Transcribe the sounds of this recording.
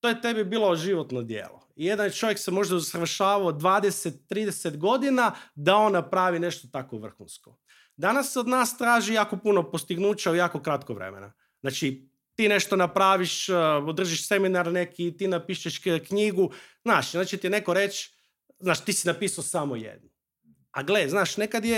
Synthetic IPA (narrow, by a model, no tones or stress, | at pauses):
t̪oːjet̪e̞bibiːlˠoʒiʋot̪nod̪jḛːlo̰ije̞d̪ant͡ʃo̞ʋjeksemo̞ʒd̪ausʋrʃaːʋaod̪ʋaːd̪eset̪ːɾiːd̪eset̪ɡo̞d̪inad̪ao̞nːapɾaʋine̞ʃt̪ot̪akoʋr̩xunsko | d̪anasːeo̞d̪naːst̪ɾaːʒijaːko̞puno̞po̞st̪iɡnuːt͡ɕaujaːkokɾat̪koʋɾḛmḛna̰ | znaːt͡ʃi | t̪iːne̞ʃt̪onapɾaːʋiʃod̪r̩ʒiʃse̞minaɾne̞kʰit̪iːnapiːʃeʃkɲiɡuznaːʃznaːt͡ʃit̪ijene̞ko̞ɾe̞t͡ʃ | znaːʃt̪iːsinapiːsaosamojḛd̪nu | aɡleznaːʃnekad̪je